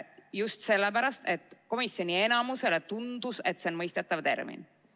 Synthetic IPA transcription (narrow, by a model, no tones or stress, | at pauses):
just̪se̞lːep̬æɾɑst̪e̞t̪ːˑko̞misjo̞nʲie̞nɑmuse̞le̞t̪und̪̥use̞t̪ːˑse̞o̞nmɤjst̪e̞t̪ːˑɑvt̪e̞̰rmḭn